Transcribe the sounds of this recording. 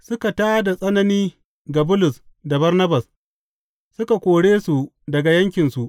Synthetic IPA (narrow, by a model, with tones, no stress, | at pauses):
sʊ˦ka˨taː˦da˨sʼɐ˦nɐ˦niː˦ | ɡa˨bʊ˦lʊ˨sda˨bɐ˦rnɐ˦bɐ˨s | sʊ˦ka˨kʷoː˨ɽeː˦su˨ | dɐ˨ɡa˨jɐ˦ŋkʲɪ˨nsu˨ʔ